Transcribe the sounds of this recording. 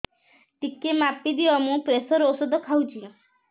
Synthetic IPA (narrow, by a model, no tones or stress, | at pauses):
ʈikːemapːid̪iɔmũpɾesɔɾosɔd̪ɔkʰawd͡ʒiɔ̃